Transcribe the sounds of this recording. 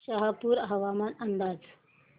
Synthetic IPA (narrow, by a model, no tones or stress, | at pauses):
ɕəɦapuːɾɦɐʋamanənd̪aːd͡z